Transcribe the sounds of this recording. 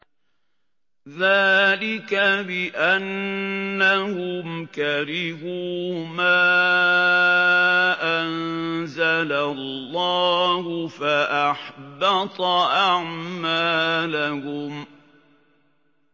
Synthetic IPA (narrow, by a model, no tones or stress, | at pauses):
ðaːlɪkabɪʔanː | ahʊmkaɾɪhuːmaː | ʔanzalallːɑːhʊfaʔaħbɑt̪ˤɑʔaʕmaːlahʊm